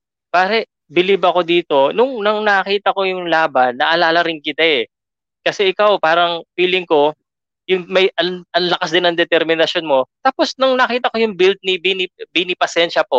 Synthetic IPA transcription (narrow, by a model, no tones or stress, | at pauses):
paːɾɛ | bɪlibɐko̞d̪iːt̪o̞nʊŋnɐŋnɐkiːt̪ɐko̞jʊŋlaːbɐnːɐʔɐlaːlɐɾɪnkɪt̪aɛ | kɐsɛʔɪkawpaːɾɐŋfiːlɪŋko̞ | jʊŋmɐjʔɐɐnlɐkasd̪ɪnɐŋd̪ɛt̪ɛɾmɪnɐʃjo̞nmo̞t̪aːpo̞snɐŋnɐkiːt̪ɐkojʊŋbilt̪̚nibinɪbɪnɪpɐsɛnʃɐpo̞